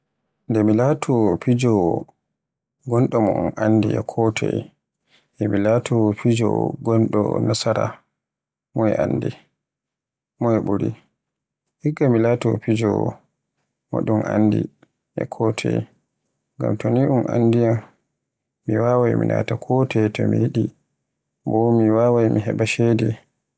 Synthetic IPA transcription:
ndɛmilatʰɔpid͡ʒɔ | ɡɔnɗɔmɔʔunʔandiʔɛkʰɔtʰɛ̰j | ʔɛmilatʰɔpid͡ʒɔ̰ɡɔnɗɔ̰nasaɾa | mɔɛʔanːdi | mɔjɛɓuɾi | hiɡamilatɔpid͡ʒɔ | mɔ̰ɗumʔandḭ | ʔɛ̰kʰɔtʰɛ̰j | ŋɡa̰mtoniʔumʔa̰ndija | miwawajmḭnʔa̰takʰɔtɛtɔmijiɗi | bɔmiwawajmiɦɛ̰ɓaʃedɛ

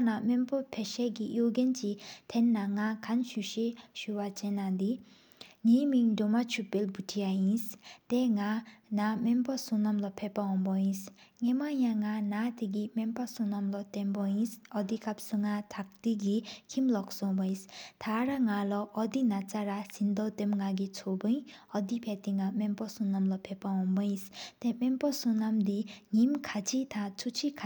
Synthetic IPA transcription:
namempopʰeɕekijoɡent͡ɕit̪ʰenːaŋakʰanɕuɕeɕuwat͡ɕenːad̪i | ŋimiŋdomat͡ɕʰupelbutʰiajinst̪eŋanamenpɔsuŋnamlɔpʰepːaɦɔŋpɔjinsŋemajaŋanat̪ʰiɡ̬imenpasuŋnamlɔt̪enpojinsɔd̪ikap̚suŋat̪ʰak̚t̪iɡikʰimlɔksɔbɔj̃st̪ʰaɾaŋalɔʔːd̪inat͡saɾasind̪ɔwt̪emŋaɡit͡sʰobɯj̃ɔd̪ipʰet̪iŋamempɔsunamlɔpʰepaɔmbɯj̃st̪emempɔsunamd̪iŋimkʰat͡sʰit̪ʰat͡sʰut͡sʰikʰ

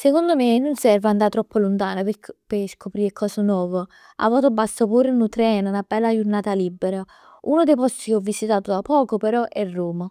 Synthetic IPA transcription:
sekond̪omenonsɛrvand̪at̪ːɾɔpːolunt̪aːnoppeskopɾiːɾekʰɔːsonwɔːvə | a̰vːat̪obast̪opuːɾenut̪ɾɛːnunabːɛlːad͡ʒuɾnaːt̪alibːeɾa | uːnod̪ejpɔst̪ikeɔvːisit̪aːt̪od̪apːɔːkopeɾɔʔɛrːuːma

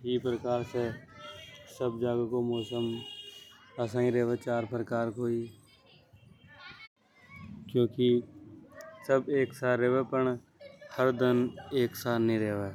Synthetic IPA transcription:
ɦiːpɾəkaːɾse | səbd͡ʒaːɡakomɔːsəm | əsãːĩɾeːʋet͡ʃaːɾpɾəkaːɾkoːi | kjõːki | səbeːksaːeːʋepəɳ | həɾd̪əneːksaːnəĩɾeːʋeː

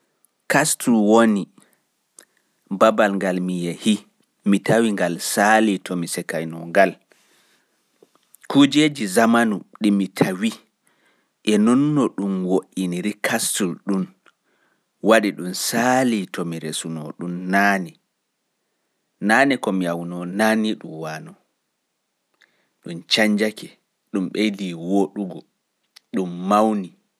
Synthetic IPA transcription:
kastʰulwoni | babalŋɡalmijɛhi | mitʰawiŋɡalsalitʰɔmisɛkajnɔŋɡal | kud͡ʒed͡ʒizamanuɗimitʰawi | ʔɛnɔnːɔɗumwoʔiniɾikʰastulɗum | waɗiɗumsaːlitʰɔmiɾesunɔ̰ɗumnaːni | naːnikɔmiawnɔnaniɗṵmwaːnɔ | ɗunt͡ʃaɲd͡ʒakɛ | ɗumɓeliwoɗuɡɔ | ɗumːawni

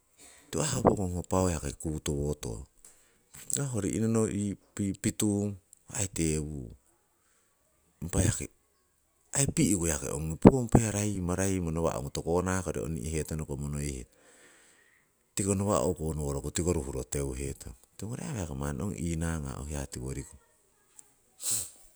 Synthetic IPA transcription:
tuahawpokoŋhopawehakekuβutoβoto̰ | ɡaɦoɾiʔinonoʔipipituŋ | hajteβu | mpajhakḛ | aipiikojakḛʔo̰ŋipuompajaɾajmaɾajmonoβa̰ʔo̰ŋutokonakoɾḛo̰nḭʔihe̞tonokomonojhḛt | tikonoβa̰ʔo̰konoβoɾokotikoɾuhuɾotewɦetʰoŋtiŋoɾeaβeakema̰nʔo̰ŋinaŋa̰ohiatiwoɾiko

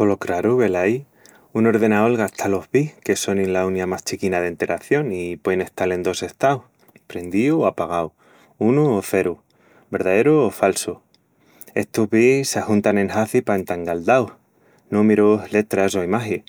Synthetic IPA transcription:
kolokɾaɾuβe̞laj | uno̞ɾðe̞naolɣaht̪ʰalo̞hβihke̞so̞ninlaunjamast͡ʃikinaðe̞nt̪e̞ɾʔaθjo̞nipweene̞ht̪ale̞nd̪o̞se̞ht̪awh | pɾe̞nd̪iuapaɣ̞aw | unuoθe̞ɾu | be̞ɾðaðe̞ɾuːfalsu | e̞̰st̪oɦβisːahunt̪ane̞nhaθipaent̪aŋɡald̪awh | nũmeɾoɦle̞t̪ɾaso̞imaɦi

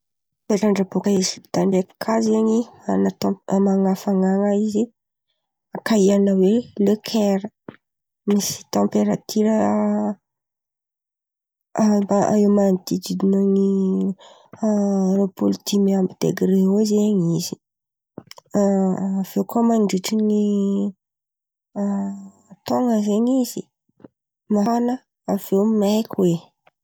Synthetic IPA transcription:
peʈ͡ʂaɳɖ͡ʐabukəezipid̪̥aɳɖ͡ʐekkʰazeɲia̰nat̪ɔ̃maŋafaŋaŋaizi | akaianəwelekʰɛɾə | misi̥t̪ɔ̃mpeɾat̪ʰiɾə | baa̰ewmand̪id̪id̪inoŋi | ɾopuld̪imiambid̪̥ḛɡɾeozeɲizi̥ | av̥ewkomanɖ͡ʐiʈ͡ʂini | t̪oŋəzeɲizi | manə | av̥ewmajkwe

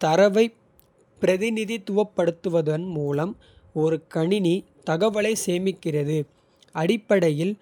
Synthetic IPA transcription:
t̪ɐɾɐʋɐɪ | pːɪɾɐðɪnɪðit̪ʊʋɐpːɐɽɯt̪ːɯʋɐðɐnmuːlɐm | ɔɾɯkɐɳɪni | t̪ɐɣɐʋɐɭɐɪseːmɪkːɪrɐðɯ | ɐɽɪpːɐɽɐjɪl

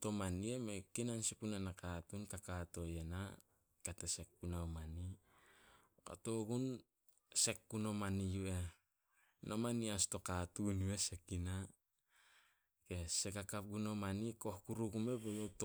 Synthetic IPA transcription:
to̞maniemekinansipunanakatunkakato̞jena | katese̞k̚punawmani | ka̰to̞ɡun | se̞kːuno̞manijue̞ | nʔomaniasto̞katunuwesekina | kesekakap̚ɡunomaniko̞hkuɾuɡume̞bojot

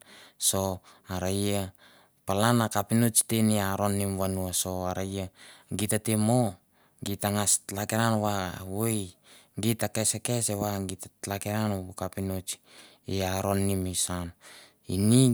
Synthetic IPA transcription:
so̞aɾaja | palanakapinot͡ʃteniaɾo̞nːimwanuaso̞aɾajaɡitatemo | ɡitaŋastlakeɾanwawoj | ɡitakesekeseβaɡitatlakeɾanubukapinot͡ʃi̥ | iaɾo̞nːimisan | ḭni

